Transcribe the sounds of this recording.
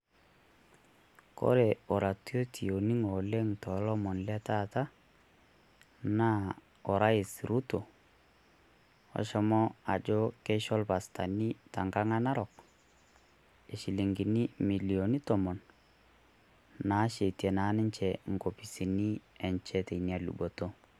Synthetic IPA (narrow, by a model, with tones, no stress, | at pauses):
kɔ̰˦ɾɛ˨ɔ˨ɾa˨tu˦o˦tʰi˨o˨ni˦ŋo˨le˦ŋtɔ˨lɔ˦mɔ˨nlɛ˦ta˦ta˦ | na˦ | ɔ˨ɾa˦i˨sɾu˦to˨ | ɔ̰˨ʃɔ˦mɔ˦a˨d͡ʒɔ˦ke˦ʃɔ˦lpa˨sta˨ni˦ta˨ŋɡa˦ŋa˦na˦ɾɔ˨k̚ | e˨ʃi˨li˨ŋɡi˨ni˦mi˨li˨o˨ni˦tɔ˨mɔ˨n | na˨˦ʃe˨tɛ˨na˨˦nɪ˦ɲt͡ʃɛ˨ŋ̩˨ɡo˨pi˨si˨ni˦ɛ˨ɲt͡ʃɛ˦te˨ni˨a˨lṵ˨bo˨to˦